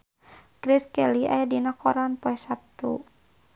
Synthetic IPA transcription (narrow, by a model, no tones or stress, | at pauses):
ɡ̥ɾiskɛliʔa̰jadinakɔɾanpɔɛsap̚t̪ṵ